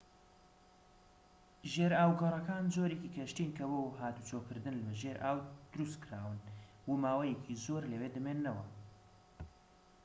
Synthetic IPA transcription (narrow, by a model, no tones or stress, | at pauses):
ʒeɾaːwɡɐrˤɐkaːnzoɾekikʰɐʃt̪inkʰɐboɦaːt̪ut͡ʃʰokɨɾd̪ɨnlʒeɾʔaːwd̪̥ʊɾust̪kʰɾaːwɨn | wumaːwɐjecʰizoːɾlewed̪ɨmenːɐwɐ